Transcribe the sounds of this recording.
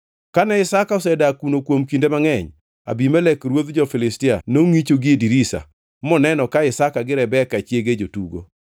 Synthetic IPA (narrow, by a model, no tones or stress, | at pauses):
kanɛɪsakaɔsɛdakunokwomkindemaŋɛɲ | a̰bimɛlɛkɾwod̪d͡ʒɔfɪlɪstɪanoŋit͡ʃoɡɪediɾisa̰ | mɔnɛnɔkaɪsakaɡɪɾɛbɛkat͡ʃjeɡed͡ʒotuɡo̰